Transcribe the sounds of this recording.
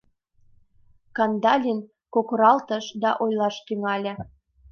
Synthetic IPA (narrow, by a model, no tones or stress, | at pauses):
kɑnd̪ɑlʲin | kokoɾɑlt̪ə̆ʃd̪ɑʔojlɑʃt̪yŋɑlʲĕ